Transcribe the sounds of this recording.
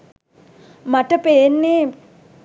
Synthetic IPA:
maʈəpeːnːe

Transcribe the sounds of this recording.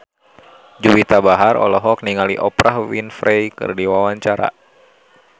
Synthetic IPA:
d͡ʒuwit̪abaɦaɾɔ̰lɔɦɔk̚niŋaliʔɔpɾahwinfɾʔejkɨ̰rdiwawaɲt͡ʃaɾa̰

